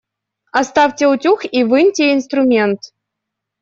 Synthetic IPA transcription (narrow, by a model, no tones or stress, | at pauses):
ast̪aftʲɛutʲuxivɨnʲtʲeinst̪ɾumʲent̪